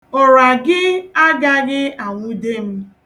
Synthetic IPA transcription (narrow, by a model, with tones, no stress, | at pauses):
ɔ˨ɾa˨ɡɪ˦a˦ɡa˦ɣɪ˦a˨ŋʷu˦de˦m̩˦